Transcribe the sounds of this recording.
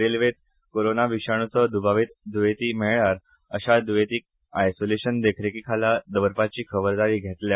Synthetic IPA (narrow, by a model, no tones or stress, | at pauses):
ɾelʋet̪̚ | koɾonaʋiɕaɳ̃ut͡səd̪ubaʋit̪d̪uʋet̪iːmeɭɭaɾ | əɕad̪ujet̪iːk̚ | ajsoleɕənd̪ekʰɾekiːkʰalad̪əʋəɾpat͡ɕiːkʰəʋəɾd̪aɾiːɡʱet̪lja